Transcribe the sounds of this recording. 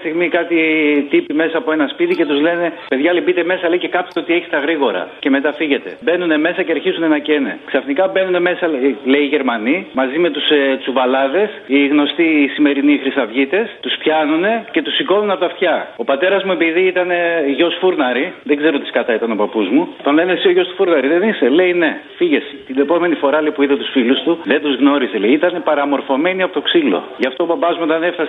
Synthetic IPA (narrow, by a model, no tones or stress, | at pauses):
st̪iɣmikɐt̪it̪ipime̞sɐːpoe̞nɐspit̪ice̞t̪uzle̞ne̞pe̞ðʝɐlibit̪e̞me̞sɐleice̞kɐpseo̞t̪ieçist̪ɐɣɾiɣo̞ɾɐ̰ce̞me̞t̪ɐfiʝe̞t̪e̞̰be̞nune̞me̞sɐceɐɾçizune̞nɐce̞nḛksɐfnikɐbe̞nune̞me̞sɐle̞iːʝe̞ɾmɐnimɐzime̞t̪ussuvɐlɐðe̞siɣno̞st̪isime̞ɾinixɾisɐvʝit̪e̞st̪uspçɐnune̞ce̞t̪usiko̞nuneɐpoɐft̪çɐo̞pɐt̪e̞ɾɐzmue̞piðiit̪ɐne̞ʝo̞sfuɾnɐɾiðeɡzeɾot̪iskɐt̪ɐit̪ɐno̞pɐpuzmut̪onɐinesioʝo̞st̪u̥fuɾnɐɾiðe̞nise̞le̞inefiʝe̞st̪ine̞po̞me̞nifo̞ɾɐlipuiðet̪u̥sfilust̪uðe̞nd̪uzɣno̞ɾiseleiit̪ɐne̞pɐɾɐmo̞ɾfo̞me̞niɐpo̞t̪o̞ksilo̰ʝɐft̪o̞obɐbɐzmuit̪ɐne̞fθɐs